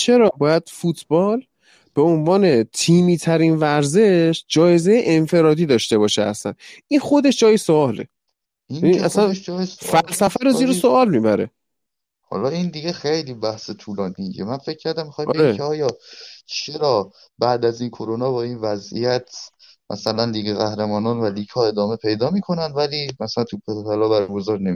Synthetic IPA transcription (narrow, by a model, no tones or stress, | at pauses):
t͡ʃʰe̞ɾɒːbɒːjæd̪̥fut̪ʰb̥ɒːl | b̥eo̞nvɒːne̞t̪ʰiːmiːt̪ʰæɾinvæɾze̞ʃd͡ʒɒːje̞zejeʔenfe̞ɾɒːd̪iːd̪ɒːʃt̪e̞bɒːʃeæ̰sæ̰nʔinχo̞d̪e̞ʃd͡ʒɒːjesoɒːlḛ | iniʔæsænʃfælsæfæɾoziːɾesoʔɒːlmiːbæɾe̞̰ | hɒ̰ːlɒːind̪iɡexejliːbæhset̪ʰuːlɒːnid͡ʒemænfe̞cʰːæɾd̪æmːixɒjɒeeimcʲʰeɒːjɒːt͡ʃʰeɾɒː | bæʔd̪æzinkʰoɾonɒːbɒːinvæzḭjæt̪ʰ | mʔæ̰sælænliːɡeɣæhɾemɒːnɒːnvæliːkʰɒːe̞d̪ɒːme̞pʰe̞jd̪ɒːmiːkʰo̞nænd̪væliːmæsælænt̪ʰupʰepʰælɒːbæɾɡozɒːɾnemi